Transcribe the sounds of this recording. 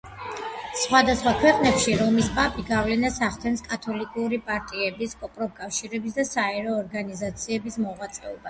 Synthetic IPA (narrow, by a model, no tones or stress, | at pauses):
sχwad̪asχwakʰwɛqʼnɛpʃiɾɔmispʼapʼiɡavlɛnasaχt̪ʰɛnskʼat̪ʰɔlikʼuɾipʼaɾt̪ʼiɛbiskʼɔpʼɾɔp̚kʼafʃiɾɛbisd̪asaɛɾɔːɾɡanizat̪sʰiɛbismɔʁwat̪sʼɛɔba